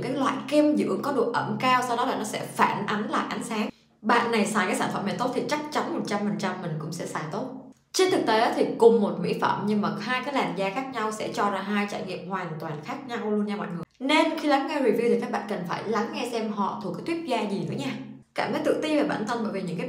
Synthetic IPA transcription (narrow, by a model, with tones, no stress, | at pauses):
kaː˨˦jlwa̰ː˧˨jke˧mzɨ̰˧˥əŋkɔ˨˦ɗu˨˩ək̚ʔə˧˩mkaː˧wsa˧wɗɔ˨˦laː˨˩nɔ˨˦sɛ̰˧˥faː˧˩nʔa˨˦ŋla̰ː˧˨jʔa˨˦ŋ̟saː˨˦ŋ | ɓa̰ː˧˨nːa˨˩jsaː˨˩jkaː˨˦saː˧˩nfə˧˩mna˨˩jt̪o˦˥t̪ʰi˨˩t͡ɕa˦˥k̚t͡ɕa˨˦nmo˨˩t̚t͡ɕa˧mfə˨˩nt͡ɕa˧mːï˨˩ŋ̟kʊ̰˧˥ŋ͡msɛ̰˧˥saː˧˩jt̪o˦˥t̚ | t͡ɕi˧t̪ɨ˨˩k̚t̪e˨˦ɗɔ˨˦t̪ʰi˨˩kʊ˨˩ŋ͡mmo˨˩t̚mḭ˧˥fə̰˧˩˨mɲɨ˧ŋma˨˩haː˧jkaː˨˦jlaː˨˩nzaː˧xaː˦˥k̚ɲa˧wsɛ̰˧˥t͡ɕɔ˧zaː˧˩ɦaː˧jt͡ɕa̰ː˧˩jŋḭ˧˨əmhwaː˨˩nt̪waː˨˩nxaː˦˥k̚ɲa˧wlu˧ənɲaː˧ɓa̰ː˧˨ŋɨ˨˩əne˧nxi˧la˨˦ŋŋɛ˧wi˨˩vi˧wt̪ʰi˨˩ka˦˥k̚ɓa̰ː˧˨nkə˨˩nfaː˧˩jla˨˦ŋːɛ˧sɛ˧mɦɔ̰˧˨t̪ʰu˨˩kːjt̪wi˦˥ət̚zaː˧zi˨˩nɨ̰˧˥əɲaː˧ | kaː˧˩mt̪əː˨˦jt̪ɨ̰˧˨t̪i˧ve˨˩ɓa̰ː˧˩nt̪ʰə˧mɓəː˧˩jvi˨˩ɲɨ̰˧˥ŋkaː˨˦